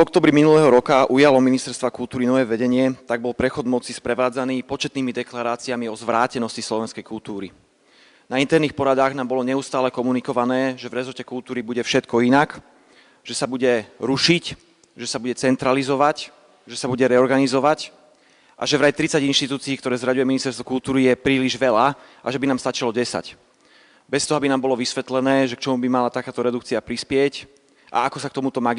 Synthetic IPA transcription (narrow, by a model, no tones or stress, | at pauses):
vɔk̚t̪ɔːbɾiminulɛːɦɔɾɔkaʔujalɔminist̪ɛɾst̪ʋakult̪uːɾinɔʋɛːʋɛɟɛɲɪɛt̪aɡ̚bɔlpɾɛxɔd̪mɔt͡sispɾɛʋaːd͡zaniːpɔt͡ʃɛt̪niːmid̪ɛklaɾaːt͡siamiɔzʋɾaːcɛnɔscislɔʋɛnskɛjkult̪uːɾi | naint̪ɛɾniːxpɔɾad̪aːɣnaːmbɔlɔɲɛust̪aːlɛkɔmunikɔʋanɛːʒɛvɾɛzɔɾcɛkult̪uːɾibuɟɛfʃɛt̪kɔinak | ʒ̥ɛsabuɟɛɾuʃic | ʒɛsabuɟɛt͡sɛnt̪ɾalizɔʋac | ʒɛsabuɟɛɾɛɔɾɡanizɔʋac | ʔa̰ʒɛvɾaɛt̪ɾit͡saɟinʃt̪it̪uːt͡siːkt̪ɔɾɛːzɾaɟujɛminist̪ɛɾst̪ʋɔkult̪uːɾijɛpɾiːliʒʋɛlaʔaʒɛbinaːmst̪at͡ʃilɔɟɛsa̰c | bɛst̪ɔɦɔbinaːmbɔlɔʋisʋɛt̪lɛnɛːʒɛkt͡ʃɔmubimalat̪akaːt̪ɔɾɛd̪ukt͡siapɾispɪɛc | ʔa̰akɔsakt̪ɔmut̪ɔmaɡ